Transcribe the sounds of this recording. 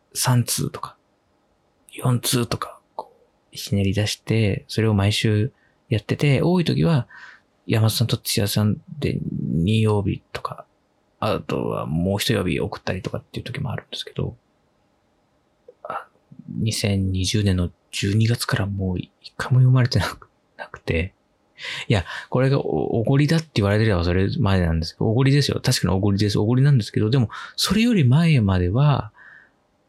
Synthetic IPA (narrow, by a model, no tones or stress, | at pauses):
sãnt͡sɨ̰ːt̪o̥kḁ | jõ̞nt͡sɨːt̪o̞kḁkʰoː | i̥ɕineɾʲid̪aɕi̥t̪e̞so̞ɾe̞o̞maiɕɨː | jat̪ːe̞t̪e̞o̞ːit̪o̞kʲiβa | jamaosãnt̪o̞t͡ɕia̰sãnd̪ḛɲ̟ĩjo̞ːbʲḭt̪o̞̥kʰaː | t̪o̞̰βa̰mo̞ːçʲi̥t̪ojo̞bʲḭʔo̞̰kɯ̟̥t̪ːaɾʲit̪o̞kat̪ːeiɯ̟t̪o̞kʲimo̞a̰ɾɯ̟̃nd̪e̞sɨ̥ke̞d̪o̞̰ | a | ɲ̟isẽ̞ɲ̟ɲ̟iʑɨːnenːo̞ | d͡ʑɨːɲ̟iɡat͡sɨ̥kaɾamoːikːaimo̞jomaɾe̞t̪e̞na | nakɯ̟̥t̪e̞ | jako̞ɾe̞ɡa̰ʔoo̰ɡo̞ɾʲid̪at̪ːe̞iβaɾe̞t̪eɾeβaso̞ɾemad̪e̞nãnd̪e̞sɨ̥ooɡo̞ɾʲid̪e̞sɨjo̰t̪aɕi̥kaɲ̟ḭo̞ɡo̞ɾʲid̪e̞s̬ɨoɡo̞ɾʲinãnd̪esɨ̥ke̞d̪o̞d̪e̞mo̞so̞ɾe̞jo̞ɾʲimae̞mad̪e̞βa